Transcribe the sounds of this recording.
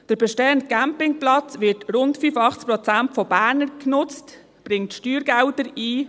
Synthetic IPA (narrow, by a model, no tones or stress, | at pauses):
d̥əɾbɛʃteːəntɡæmpɪŋplɑt͡sʋɪtɾʊntfyfɑχt͡skpɾɔt͡sæntfɔbæːɾnəɾknʊt͡st | b̥ɾɪŋtʃtyːɾɡæwtəɾiː